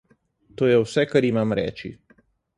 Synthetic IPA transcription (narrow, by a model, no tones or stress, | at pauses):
t̪oːjɛwsɛkaɾimamɾɛ̰ːt͡ʃḭ